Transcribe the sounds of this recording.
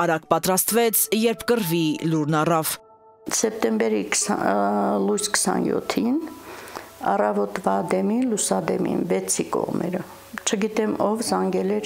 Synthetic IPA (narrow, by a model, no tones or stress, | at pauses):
ɑɾɑkpɑt̪ɾɑst̪vɛt͡sʰjɛɾpʰkəɾviluɾnɑrɑv̥ | sɛp̚t̪ɛmbɛɾikʰsɑlujskʰə̥sɑ̰njɔ̰t̪ʰin | ɑrɑvɔt̪vɑd̪ɛminlusɑd̪ɛ̰mḭnvɛt͡sʰikɔ̰ʁmɛ̰ɾə | t͡ʃʰəɡit̪ɛmɔvzɑŋɡɛlɛɾ